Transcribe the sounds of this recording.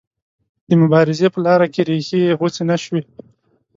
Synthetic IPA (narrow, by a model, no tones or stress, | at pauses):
d̪̥əmʊbɑɾɪzepəlɑɾakeɾexeɣot͡senaʃwe